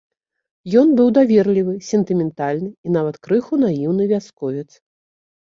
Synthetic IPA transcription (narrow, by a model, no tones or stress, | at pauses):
jɔnbɨwd̪avʲɛrlʲivɨsʲɛnt̪ɨmʲɛnt̪alʲnɨin̪avɐt̪kɾɨxunajiwnɨvʲaskɔvʲɛt̪s